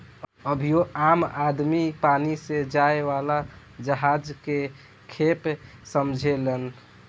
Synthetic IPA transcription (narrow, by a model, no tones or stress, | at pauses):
əbʱijoamad̪mipanised͡ʒaeʋala | d͡ʒəɦad͡ʒke | kʰepsəmd͡ʒʱelən